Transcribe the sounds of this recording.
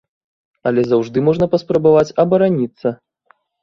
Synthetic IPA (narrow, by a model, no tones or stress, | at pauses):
ɐlʲɛzawʐd̪ɨmɔʐnɐpɐspɾɐbavat͡sʲɐbɐɾanʲit̪sːɐ